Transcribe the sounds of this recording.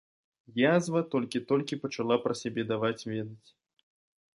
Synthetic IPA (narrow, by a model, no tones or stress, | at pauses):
jazvɐt̪ɔlʲkʲit̪ɔlʲkʲipɐt͡ʂalˠapɾɐsʲabʲɛd̪avat͡sʲvʲɛd̪ɐt͡sʲ